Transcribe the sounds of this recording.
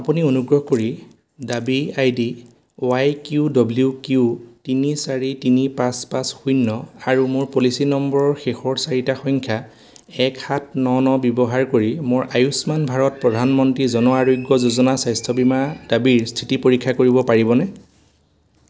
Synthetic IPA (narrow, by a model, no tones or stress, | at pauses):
apunionuɡɹɔɦkoɹi | dabiajdi | oajkjudɔblukutinisaɹitinipãspasxujnːɔaɹumoɹpolisinɔmbɔɹɔɹxexɔɹsaɹitaxɔŋkʰja | ɛkxat̚ʰnɔnɔbjɔbɔɦaɹkoɹimoɹʔajusmanbʱaɹɔt̚pɹɔdʱanmɔntɹizɔnɔaɹojɡjɔzozɔnasajstʰɔbimadabiɹstʰitipoɹikʰːakoɹibɔpaɹibɔnɛ